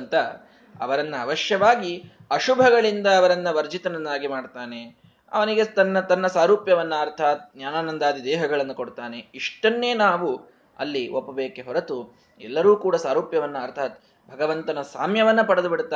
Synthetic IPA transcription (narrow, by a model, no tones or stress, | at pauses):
nt̪ɐ | ɐʋɐɾɐnːɐɐʋɐʃjɐʋaːɡi | ɐʃubʱɐɡɐɭind̪ɐːʋɐɾɐnːɐʋɐɾd͡ʒit̪ɐnɐnːaːɡimaːɖt̪aːne̞ | ɐ̰ʋɐniɡe̞t̪ɐnːɐt̪ɐnːɐsaːɾuːpjɐʋɐnːɐɐɾt̪ʰaːt̪njaːnaːnɐnd̪aːd̪ʱid̪ɛːɦɐɡɐɭɐnːɐkoɽt̪aːne̞iʂʈɐnːe̞ːnaːʋu | ɐ̰lːiʔopːɐbeːkeɦɔɾɐt̪u | ɛ̰lːɐɾuːkuːɽɐsaːɾuːpjɐʋɐnːɐɐɾt̪ʰaːt̪ | bʱɐɡɐʋɐnt̪ɐnɐsa̰ːmjɐʋɐnːɐpɐɽɐd̪ubiɽt̪ːaː